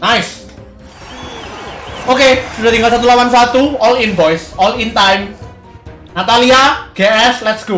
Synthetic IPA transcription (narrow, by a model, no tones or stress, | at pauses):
najs | okesuda̤t̪ĩŋɡalsat̪̬ulawans̬at̪uɔlinvɔjsɔlint̪ajm | nat̪aliaɡ̥eɛslɛt̪sɡ̥o